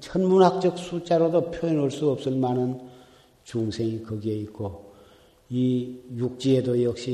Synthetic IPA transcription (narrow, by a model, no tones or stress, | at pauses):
t͡ɕʰʌnmunɦak̚t͡ɕ͈ʌk̚s͈ut͡ɕaɾodopʰjoinoɭs͈uʌp̚s͈ɯmanɯn | t͡ɕuŋsʰeŋikɯɡieit̚k͈o | ijuk̚t͡ɕ͈iedojʌk̚ɕ͈i